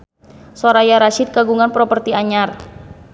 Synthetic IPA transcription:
soɾajaɾaʃɪt̪̚ɡaɡuŋanpɾɔpərt̪iaɲar

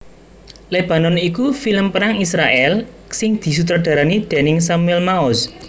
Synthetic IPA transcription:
leb̥a̤nɔnikufiləmpəɾaŋisɾaʔɛl | sɪŋd̪̥i̤s̬ut̪̬ɾadɖ̥a̤ɾanid̪̥e̤nɪŋsamuɛlmaʊs

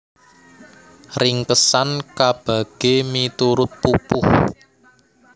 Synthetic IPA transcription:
rɪŋkəsankab̥ä̤ɡ̥emit̪uɾʊt̪̚pupʊh

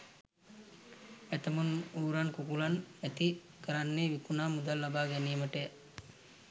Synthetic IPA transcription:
et̪əmunuːɾankukulanæt̪i | kəɾanːeːʋikunaːmud̪alːabaːɡɛnijəməʈe

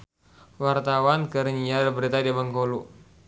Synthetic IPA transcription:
wart̪awankəɾəɲiarbəɾit̪adiaməŋkolu

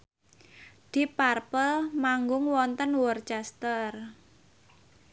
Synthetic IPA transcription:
d̪̥i̤parpəlmaŋɡʊŋwɔnt̪ənwɔrt͡ʃɛst̪ər

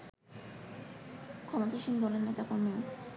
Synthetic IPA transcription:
kʰɔmot̪iʃind̪ɔleɾnet̪akoɾmi

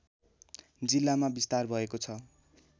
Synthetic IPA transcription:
d͡zilːamabist̪arbʱʌekot͡sʰʌ

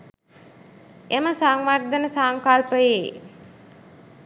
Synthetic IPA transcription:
eməsaŋʋard̪ənəsaŋkalpəje

